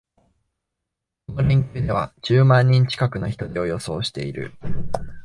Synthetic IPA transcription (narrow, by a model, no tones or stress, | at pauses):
kono̞ɾẽ̞ŋkʲɨːd̪e̞β̞a̰d͡ʑ̥ɨːmãɲ̟ːĩɲ̟t͡ɕi̥kakɯ̟no̞çi̥t̪o̞d̪eo̞jo̞so̞̰ːɕi̥t̪e̞iɾɯ̟̰